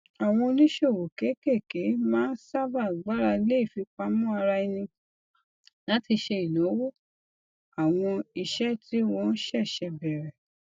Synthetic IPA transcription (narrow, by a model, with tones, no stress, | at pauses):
a˨w̃ɔ̃˧o˧nĩ˦ʃo˦˨wo˨ke˨˦ke˦˨ke˨˦mãː˦n̩˦sa˦ba˦˨ɡ͡ba˦ɾa˧le˦i˦˨fi˨˧k͡pa˧˦mɔ̃˦a˧ɾa˧i˧nĩ˧ | lã˨˦ti˧ʃe˧i˨lo˨˦wo˦ | a˨w̃ɔ̃˧i˧ʃɛ˦ti˦wɔ̃˦˧n̩˦ʃɛ˦˨ʃɛ˧bɛ˨ɾɛ˨